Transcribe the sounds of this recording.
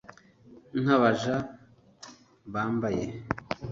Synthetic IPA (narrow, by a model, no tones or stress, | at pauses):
n̥haβaʒa | βaːmbaje